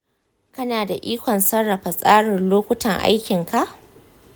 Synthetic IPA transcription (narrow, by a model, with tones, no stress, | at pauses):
kɐ˦naː˨da˨ʔiː˦kʷɔ˨nsɐ˦ɽːɐ˨ɸa˨sʼaː˦ɽɪ˨nloː˦kʷʊ˦tɐ˨ŋʔa̰˦jkʲɪ˨ŋka˦˨ʔ